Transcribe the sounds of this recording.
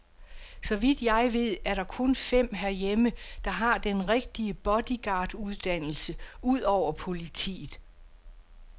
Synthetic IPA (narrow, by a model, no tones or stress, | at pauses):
sɒ̽ʋid̥jɑ̈ɪʋe̝ð̞̰ˠæɐɾɑ̈kʰɔ̽nfem̰ɦæɐjeməd̥ɑ̈ɦɑ̈d̥enʁeɡ̥̚d̥iəb̥ɒ̽d̥iɡ̥ɑ̈ːd̥uð̞ˠd̥æn̰l̩səuð̞̰ˠɒʊ̰ɐpʰo̝lit͡sʰḭːð̩ˠ